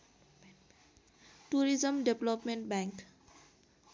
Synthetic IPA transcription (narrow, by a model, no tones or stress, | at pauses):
ʈuɾizəmɖeblɔpmẽɳʈ̚bɛ̃ŋk